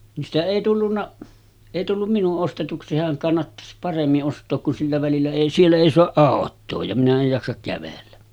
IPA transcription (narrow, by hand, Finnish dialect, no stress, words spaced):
ni stæ eˑi tulːunːɑ eˑi tulːum minuʔ ʔostetuksi sehæŋ kɑnːɑtːɑs pɑremːiʔ ʔostˑoːk kun silːæ ʋælilːæ eˑi sielːæ eˑi soɑʔ ʔɑˑotˑoː jɑ minæ ej jɑksɑk kæʋelːæ